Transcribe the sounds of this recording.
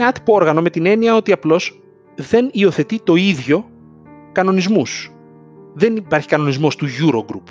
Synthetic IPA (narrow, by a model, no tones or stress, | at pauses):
ɐt̪i̥poo̞ɾɣɐno̞me̞t̪ine̞niɐo̞t̪iɐplo̞s | ðe̞nio̞θe̞t̪it̪o̞iðʝo̞ | kɐno̞nizmus | ðe̞nipɐɾçi̥kɐno̞nizmo̞st̪uʝuɾoɡɾup